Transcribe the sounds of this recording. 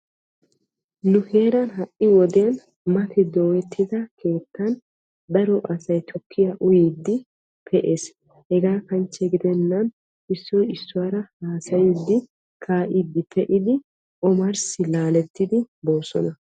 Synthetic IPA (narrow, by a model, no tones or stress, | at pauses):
nʊhe̞ːɾɐnɦɐʔʔɪwɔd̪ɛjɐn | mɐt̪ʰɛd̪oːwɛt̪ːɪd̪ɐkʰe̞ːt̪ːɐn | d̪ɐɾɔʔɐsɐjt̪ʰɔkʰːɪjaʔʊjiːd̪ːɪ | pʰɛʔe̞ːs | hɛɡaːkɐnt͡ʃːɛɡɪd̪ɛnːɐn | ɪsːɔjɪsːʊwaːɾɐhaːsɐjɪd̪ːɪ | kʰaːʔɪd̪ːɪpʰɛʔɪd̪ɪ | ʔɔmɐɾsɪlaːlɛt̪ːɪd̪ɪbo̞ːsɔnɐ